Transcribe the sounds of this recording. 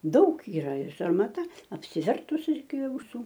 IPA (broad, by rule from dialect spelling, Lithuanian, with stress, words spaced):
ˈdɐʊk iːˈrɐ ɪr sɐrmɐˈtɐ ɐpʲsʲɪˈʋʲɛrtʊs ɪkʲɪ ɐʊˈsuː